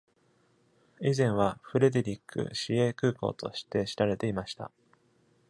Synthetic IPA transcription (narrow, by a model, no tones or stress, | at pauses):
izẽ̞ɰ̃βaɸɯ̟ɾe̞d̪e̞ɾʲikːɯ̰ɕieːkɯ̟ːko̞̰ːt̪o̞̰ɕi̥t̪e̞ɕi̥ɾaɾe̞t̪e̞imaɕi̥t̪a̰